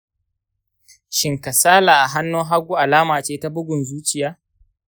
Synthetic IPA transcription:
ʃɪ˨ŋka˨saː˦laː˨ʔa˨ɦa˦nːoː˦ɦa˦ɡʷuː˦ʔa˨laː˦maː˨t͡ʃeː˦ta˦bʊ˦ɡʷʊ˨nzuː˦t͡ʃɪ˦˨jaː˦

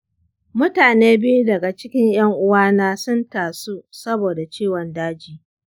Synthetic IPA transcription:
mʊ˦taː˨neː˦bɪ˦ju˦dɐ˨ɡa˨t͡ʃɪ˦kʲɪ˦ɲj̰ɐ˦ŋʔʊ˦waː˦naː˦sʊ˦ntaː˨su˦sɐ˦boː˨da˨t͡ʃiː˦wɔ˨ndaː˦d͡ʒiː˨

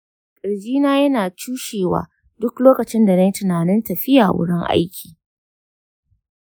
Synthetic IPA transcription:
kʼɐ˨ɽd͡ʒiː˦naː˦jɐ˦naː˨t͡ʃuː˦ʃeː˨wa̰ː˨ | dʊ˦kloː˦kɐ˨t͡ʃɪ˦nda˨nɐ˦jtɪ˨naː˨nɪ˦ntɐ˨ɸɪ˦jaː˨wʊ̰˦ɽɪ˦ŋʔa̰˦jkʲʰi̥ː˨

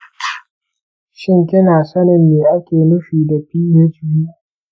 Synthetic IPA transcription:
ʃɪ˦˨ŋkʲɪ˦naː˨sɐ˦nɪ˨nːeː˨ʔa˦kʲeː˨nʊ˦ɸiː˨da˨ɸiː˦ɲe˦d͡ʒʊ˨jiː˦

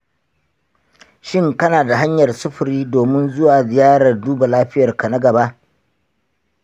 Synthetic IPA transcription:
ʃɪ˦˨ŋkɐ˦naː˨da˨ɦa˦ɲjɐ˨rsʊ˦ɸʊ˨ɾiː˦doː˨mɪ˦nzʊ˦waː˨zɪ˨jaː˦ɽɐ˨rduː˦ba˨laː˦ɸɪ˦jɐ˨rkɐ˨na˦ɡɐ˨ba˦ʔ

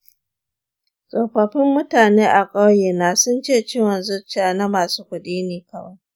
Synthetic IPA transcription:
sʼɔ˨ɸɐ˨ɸɪ˦mːʊ˦taː˨neː˦ʔa˨kʼa˦wje˨naː˨sʊ˦nt͡ʃeː˦˨t͡ʃɪ˦wɐ˨nzʊ˦t͡ʃaː˨na˦maː˨suː˦kʷʊ˦ɗiː˦neː˨kɐ˦wa˦j

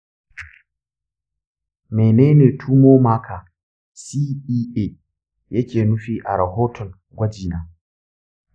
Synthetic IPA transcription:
me˨neː˦neː˨tʰuː˦moː˦maː˦kʰaː˨ | si˦iː˦ʔe˦ | jɐ˦kʲeː˨nu˦ɸiː˦ʔa˨ɾɐ˨hoː˦tʰɔ˨n | ɡʷɐ˦d͡ʒiː˨naː˨

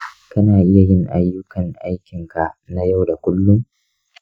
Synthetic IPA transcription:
kɐ˦naː˨ʔɪ˦ja˨jɪ˦ŋʔa˦jːʊ˦kɐ˨ŋʔa˦jkʲɪ˨ŋka˨ʔna˦ja˦˨wda˨kʷʊ˦lːʊ˦m

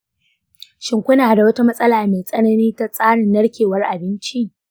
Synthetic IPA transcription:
ʃɪ˨ŋkʷʊ˦naː˨da˨wɐ˦ta˦mɐ˦sʼɐ˦laː˨meː˨sʼɐ˦nɐ˦niː˦ta˦sʼaː˦ɽɪ˨nːɐ˦ɽkʲeː˨wɐ˦rʔa˨bɪ˦nt͡ʃi˦ʔ

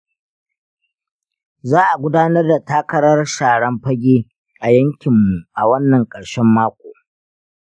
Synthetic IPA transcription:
zaː˦ʔa˨ɡʷʊ˦daː˦nɐ˦rda˨taː˦kɐ˦ɾɐ˦rʃaː˨ɽɐ˦mɸɐ˦ɡʲeː˦ | ʔa˨jɐ˦ŋkʲɪ˨mːu˨ʔa˨wɐ˦nːɐ˨ŋkʼɐ˨ɽʃɛ˦mːaː˦kʷoː˨

